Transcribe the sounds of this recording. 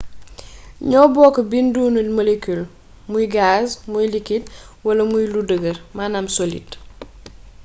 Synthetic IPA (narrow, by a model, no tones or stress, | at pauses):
ɲɔbɔːkɐbinduːnulmolekul | mujɡasmujlikit̚ | wɐlɐmujludəɡəɾmanamsolḭd